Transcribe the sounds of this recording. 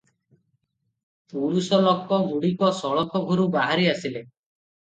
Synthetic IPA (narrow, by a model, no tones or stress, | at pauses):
puɾusɔlɔkːɔɡuɽikɔsɔɭɔkʰɔɡʱɔɾubaɦaɾiasile